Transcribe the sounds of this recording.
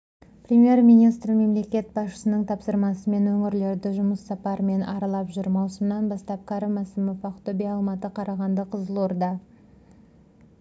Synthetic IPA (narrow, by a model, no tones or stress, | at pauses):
prʲemʲije̞rmijnijst̪rme̞mle̞kʲe̞t̪̚bɑsʃə̥sənəɴt̪ʰɑpsəɾmɑsəme̞nwɵŋɪɾle̞ɾd̪ɪʒʊməsːɑpɑɾme̞nʔɑ̰ɾɑlˠɑpʒʏɾmɑwsəmənɑnbɑst̪ɑp̚kʰɑɾəmæsɪmɪpɑqt̪obiɑlˠmɑt̪əqʰɑɾɑʁɑnd̪əqʰəzəlˠoɾd̪ɑ